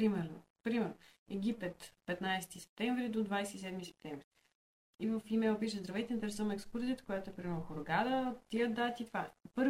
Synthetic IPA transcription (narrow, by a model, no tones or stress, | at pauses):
ɾimɛɾno̰ | pɾimɛɾno | ɛɡ̟ʲipɛt̪pɛt̪najsɛ̥t̪isɛ̥p̚t̪ɛɱvɾid̪od̪vajsɛt̪isɛd̪misɛ̥p̚t̪ɛ̃ɱvɾi | ivəfimɛlˠpiʃəzd̪ɾɐvɛt̪ɛint̪ɛɾɛsɔmɛkskuɾzʲit̪kojat̪oɛpɾimlˠoxoɾɡad̪əot̪ːiəd̪at̪it̪vapɤɾ